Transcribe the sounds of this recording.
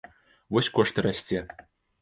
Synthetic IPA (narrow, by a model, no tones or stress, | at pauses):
vɔsʲkɔʂt̪ɨɾasʲt͡sʲɛ